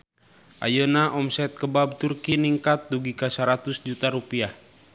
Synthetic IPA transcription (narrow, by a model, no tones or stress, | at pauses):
ʔa̰jonaʔɔmsɛt̪̚kəbab̚t̪urkiniŋkat̪̚duɡikasəɾat̪usd͡ʒut̪aɾupiah